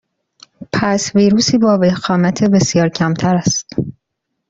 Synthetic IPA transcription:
pʰæsviːɾuːsiːbɒːvehxɒːmæt̪ʰebe̞sijɒːɾcʰæmt̪ʰæɾæst̪

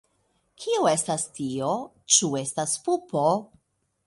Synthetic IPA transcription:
kʰiue̞stastio̞ | t͡ʃue̞staspupo

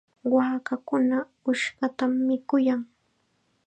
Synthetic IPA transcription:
waːkakʊna | ʊʃɢɑt̪amːɪkʊjaŋ

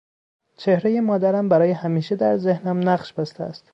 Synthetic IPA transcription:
t͡ʃʰe̞hɾe̞je̞mɒːd̪æɾæmbæɾɒːjehæmiːʃe̞d̪æɾze̞hnæmnæχʃbæst̪eæ̰st̪

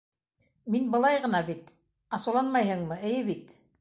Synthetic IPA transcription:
minbɤ̆lˠɑjʁɤ̆nɑbit̪ | ɑsɤ̆wlˠɑnmɑjɦɤɴmɤɘ̆jɘβit̪

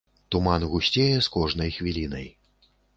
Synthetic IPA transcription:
t̪umanɣusʲt͡sʲɛjɛskɔʐnɐjxvʲilʲinɐj

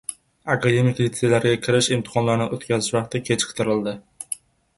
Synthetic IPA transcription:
akʰad̪e̞mɪkʲlit̪selaɾɡʲakʲʰɪɾɪʃɪmt̪ʰɪ̥χɒnlaɾnɪʔot̪kʲazɪʃvaχt̪ɪkʲʰet͡ʃqʰt̪ʰɪɾɪld̪ɪ

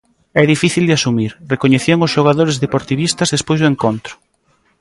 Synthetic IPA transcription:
ɛðifiθild̪ɪasumiɾrekoɲeθioŋʊsʃoɣaðoɾezðepoɾt̪iβist̪ɐzðespojzðʊeŋkont̪ɾʊ̥

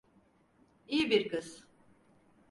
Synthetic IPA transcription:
ijibiɾkɯz

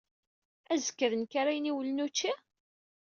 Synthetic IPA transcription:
æzə̥kːəɾənkaɾajəniwlənut͡ʃːi

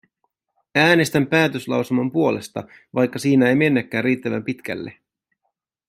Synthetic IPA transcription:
æːne̞st̪æmpæːt̪øslɑ̰wselmɑmpuo̞le̞st̪ɑ̰ | ʋɑjkːɑsiːnæe̞jme̞nːækːæːrriːt̪ːæʋæ̰mpit̪kæ̰lːe

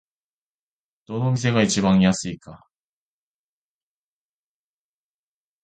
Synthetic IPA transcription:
d̪̥o̞no̞mʲis̬e̞ɡait͡ɕibãɰ̃jasɨika

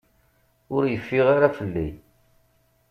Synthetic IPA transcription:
ʊɾjəfːiʁaɾafəlːḭ

